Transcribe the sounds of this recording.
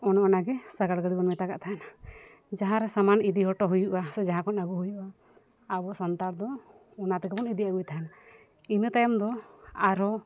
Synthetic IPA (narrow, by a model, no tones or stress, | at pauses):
ɔnɔɔnaɡɛsaɡaɽɡəɽibɔnmɛt̪akaʔt̪aɦana | d͡ʒaɦãɾɛsamanid̪iɦɔʈɔɦujuʔasɛd͡ʒaɦãkɔnaɡuɦujuʔaː | bɔsant̪aɾd̪ɔ | ɔnat̪ɛkɛbɔnid̪iaɡujt̪aɦana | inət̪ajɔmd̪ɔaɾɔ